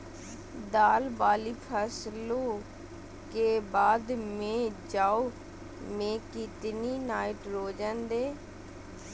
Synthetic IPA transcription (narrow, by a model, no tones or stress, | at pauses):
d̪aːlbaːliːpʰəsloː | keːbaːd̪mẽːd͡ʒaːoː | mẽːkit̪niːnaːɪʈɾoːd͡ʒãːnd̪eː